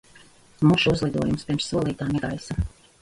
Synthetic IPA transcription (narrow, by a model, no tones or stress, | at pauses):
muʃuuzlˠid̪uɔjumspʲiɾmsːuɔlˠiːt̪aːmiɡa̰jsa